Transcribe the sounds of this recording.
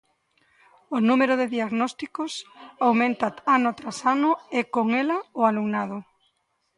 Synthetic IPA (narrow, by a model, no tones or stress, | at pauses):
onumeɾʊðɪðiaɣnɔst̪ikʊsawmẽnt̪aanot̪ɾasanʊekoŋelɐʊaluŋnaðʊ